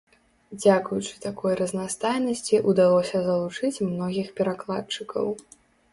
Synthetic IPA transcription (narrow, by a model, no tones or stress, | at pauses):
d͡zʲakujut͡ʂɨ̥t̪akɔjrɐznast̪ajnɐsʲt͡sʲiʔud̪alˠɔsʲɐzɐlˠut͡ʂɨt͡sʲmnɔɣʲixpʲɛɾaklˠatt͡ʂɨkɐ̰w